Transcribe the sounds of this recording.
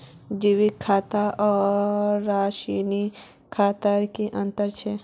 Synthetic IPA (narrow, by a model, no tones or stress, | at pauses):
d͡ʒiʋikʰːaːt̪aɔː | aʃini | kʰaːt̪əɾkiʔə̃nt̪əɾt͡ʃʰe